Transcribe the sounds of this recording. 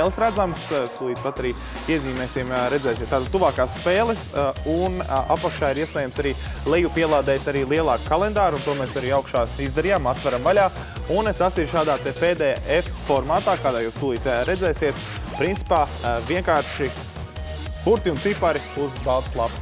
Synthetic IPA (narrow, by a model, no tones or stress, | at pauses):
ɛːlˠəsɾæd̪zamsst̪uːlˠiːt̪pat̪aɾiː | piɛziːmɛːsimɾɛd̪zɛːsʲiɛt̪ːaːt̪ad̪̚t̪uʋaːkaːsspeːlˠəsuna̰pakʃaːiɾiɛspɛːjamsaɾiːlˠɛjupiɛlˠaːd̪ɛːt̪aɾiːlˠiɛlˠɑːkkalˠɛnd̪aːɾunt̪uɔmɛːsaɾiːawkʃaːizd̪ɐɾijamat̪ʋaɾamvalʲaː | unt̪asiɾʃaːd̪aːt̪ɛpeːd̪ɛːjaːʔeffɔɾmaːt̪aːkaːd̪aːjuːst̪uiːt̪ʲaɾɛdzɛːsiɛt̪ | pɾint̪si̥paːviɛŋkaːɾʃi | puɾt̪iunt̪sipaɾiuzbalˠt̪slˠap